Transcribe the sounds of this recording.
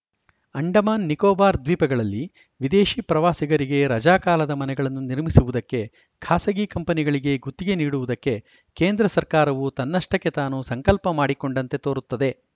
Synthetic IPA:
ɐɳɖɐmaːnːikɔːbaːɾd̪ʋiːpɐɡɐɭɐlːi | ʋid̪eːʃiːpɾɐʋaːsiɡɐɾiɡe̞ɾɐd͡ʒaːkaːlɐd̪ɐmɐnɛɡɐɭɐnːuniɾmisuʋud̪ɐkːe̞ | kʰaːsɐɡikɐmpɐniɡɐɭiɡe̞ɡut̪ːiɡe̞niːɽuʋud̪ɐkːe̞ | keːnd̪ɾɐsɐɾkaːɾɐʋut̪ɐnːɐʂʈɐkːe̞t̪aːnusɐŋkɐlpɐmaːɽiko̞ɳɖɐnt̪e̞t̪oːɾut̪ːɐd̪e̞

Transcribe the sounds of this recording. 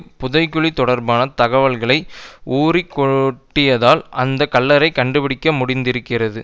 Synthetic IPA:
pʊðɐɪkːɯɭit̪ːɔɽɐɾbaːnɐt̪ɐɣɐʋɐɭɣɐɭɐɪuːrikːɔʈːɪjɐðaːlʔɐnd̪ɐkːɐlːɐɾɐɪkɐɳɖɯpɪɽɪkːɐmʊɽɪnd̪ɪɾɯkːɪrɐðɯ

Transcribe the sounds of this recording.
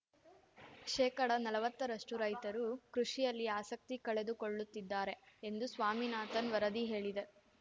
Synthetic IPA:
ʃɛːkɐɽɐnɐlɐʋɐt̪ːɐɾɐʂʈuɾɐjt̪ɐɾukɾuʂijɐlːiaːsɐk̚t̪ikɐɭe̞d̪uko̞ɭːut̪ːid̪ːaːɾe̞end̪usʋaːminaːt̪ɐnʋɐɾɐd̪iɦe̞ːɭid̪e

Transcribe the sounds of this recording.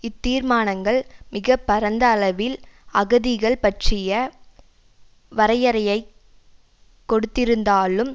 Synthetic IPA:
ɪt̪ːiːɾmaːnɐŋɡɐɭmɪɣɐpːɐɾɐnd̪ɐːlɐʋɪlɐɣɐðɪɣɐɭpɐʈrɪjɐ | ʋɐɾɐjɐɾɐjɐɪ | kːɔɽɯt̪ːɪɾɯnd̪aːlɯm

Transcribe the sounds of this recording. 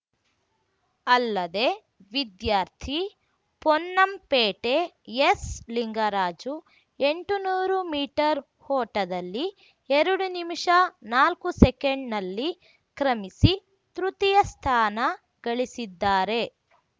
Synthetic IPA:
ɐlːɐd̪e̞ | ʋid̪jaːɾt̪ʰi | pɔnːɐmpeːʈe̞jesliŋɡɐɾaːd͡ʒu | eɳʈunuːɾumiːʈɐɾ | hɔːʈɐd̪ɐlːi | eɾuɽunimʂɐnaːlkusɛkeɳɖnɐlːi | kɾɐmisi | t̪ɾut̪ijɐst̪ʰaːnɐ | ɡ̥ɐɭisid̪ːaːɾe̞

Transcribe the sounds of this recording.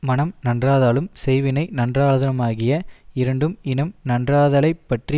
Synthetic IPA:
mɐnɐmnɐndraːðaːlɯmsɛjʋɪnɐɪnɐndraːðɐnɐmaːɣɪjɐɪɾɐɳɖɯmɪnɯmnɐndraːðɐlɐɪpːɐʈri

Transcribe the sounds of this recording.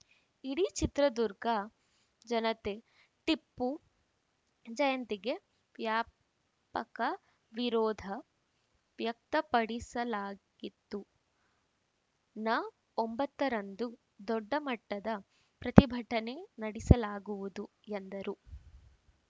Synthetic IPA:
iɽit͡ʃit̪ɾɐd̪uɾɡɐ | d͡ʒɐnɐt̪e | ʈ̪ipːu | d͡ʒɐjɐnt̪iɡe̞ | ʋjaː | pɐkɐ | ʋiɾɔːd̪ʱɐ | ʋjɐk̚t̪ɐpɐɽisɐlaːɡit̪ːu | nɐ | ombɐt̪ːɐɾɐnd̪u | d̪ɔɖːɐmɐʈːɐd̪ɐ | pɾɐt̪ibʱɐʈɐne̞nɐɽisɐlaːɡuʋud̪u | end̪ɐɾu

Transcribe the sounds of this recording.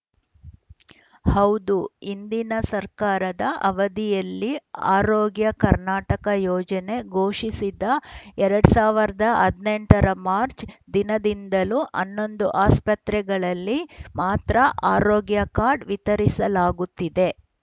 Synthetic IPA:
hɐwd̪uind̪inɐsɐɾkaːɾɐd̪ɐʔɐʋɐd̪ijɐlːia̰ːɾoːɡjɐkɐɾnaːʈɐkɐjɔːd͡ʒɐne̞ɡoːʂisid̪ɐɛɾɐɽusaːʋiɾɐd̪ɐɐd̪ne̞ɳʈɐɾɐmaːɾt͡ʃd̪inɐd̪ind̪ɐluʔɐ̰nːo̞nd̪uʔaːspɐt̪ɾɛɡɐɭɐlːimaːt̪ɾɐʔaːɾoːɡjɐkaːɾɖʋit̪ɐɾisɐlaːɡut̪ːid̪e̞

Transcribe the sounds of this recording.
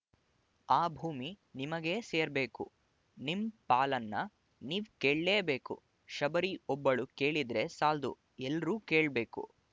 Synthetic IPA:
aːbʱuːmi | nimɐɡe̞seːɾbeːkṵ | nimpaːlɐnːɐ | niːʋke̞ːɭleːbe̞ːkṵ | ʃɐbɐɾiɔbːɐɭuke̞ːɭid̪ɾe̞saːld̪ṵ | ɛlːɐɾuːke̞ːɭbe̞ːkṵ

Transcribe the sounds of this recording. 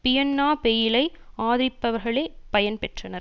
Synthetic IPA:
pɪjɐnːaːpejɪlɐɪaːðɪɾɪpːɐʋɐɾɣɐɭeːpɐjɐnpɛʈrɐnɐɾ

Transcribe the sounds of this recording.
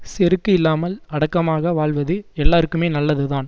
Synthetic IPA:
sɛɾɯkːɯɪlːaːmɐlɐɽɐkːɐmaːɣɐʋaːɭʋɐðɯɛlːaːɾɯkːɯmeːnɐlːɐðɯðaːn

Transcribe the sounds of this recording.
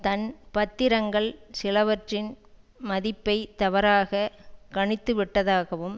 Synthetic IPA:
t̪ɐnpɐt̪ːɪɾɐŋɡɐɭsɪlɐʋɐʈrɪn | mɐðɪpːɐɪt̪ɐʋɐɾaːɣɐkɐɳɪt̪ːɯʋɪʈːɐðaːɣɐʋɯm

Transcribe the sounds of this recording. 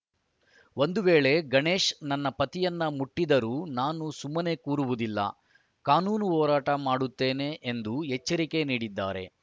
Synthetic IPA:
o̞nd̪uʋeːɭe̞ɡɐɳe̞ːʂnɐnːɐpɐt̪ijɐnːɐmuʈːid̪ɐɾuːnaːnusumːɐne̞kuːɾuʋud̪ilːɐ̰ | kaːnuːnuɦɔːɾaːʈɐmaːɽut̪ːe̞ːne̞ʔːnd̪uɦet͡ʃːɐɾike̞niːɽid̪ːa̰ːɾe̞̰

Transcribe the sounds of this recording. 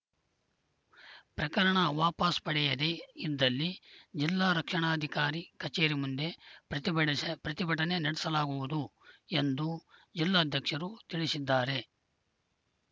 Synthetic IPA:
pɾɐkɐɾɐɳɐʋaːpɐspɐɽɛjɐd̪eid̪ːɐlːid͡ʒilːaːɾɐkʂɐɳaːd̪ʱikaːɾikɐt͡ʃeːɾimund̪e̞ɾɐipɾɐt̪ibɐʈɐne̞nɐɽɛsɐlaːɡuʋud̪ue̞nd̪ud͡ʒilːaːd̪ʱjɐkʂɐɾut̪iɭisid̪ːaːɾe̞

